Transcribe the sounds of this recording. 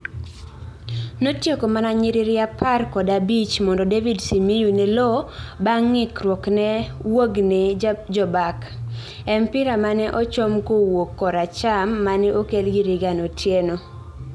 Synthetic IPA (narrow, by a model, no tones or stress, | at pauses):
notjekomanaɲiɾɪɾɪapʰarkɔdabit͡ʃmɔndɔdevidsimijunɛlɔbaŋːɪkrwoknɛwoɡnɛd͡ʒɔbak | ɛmpɪɾamanɛʔot͡ʃɔmkowokːɔɾat͡ʃamːanɛʔokelɡiɾɪɡanotʰjeno